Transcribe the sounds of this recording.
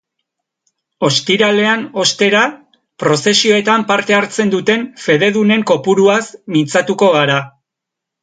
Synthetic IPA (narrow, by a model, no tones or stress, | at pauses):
o̞st̪iɾale̞ano̞st̪e̞ɾa | pɾo̞se̞sio̞e̞t̪ampaɾt̪e̞aɾt͡se̞nd̪ut̪e̞nfe̞ð̞e̞ðune̞ŋko̞puɾuasmint͡sat̪uko̞ɣaɾa